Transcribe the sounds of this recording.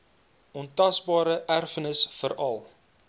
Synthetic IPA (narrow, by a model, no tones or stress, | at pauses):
ɔntɐsbɑːɾəʔærfənəsfəɾɐlˠ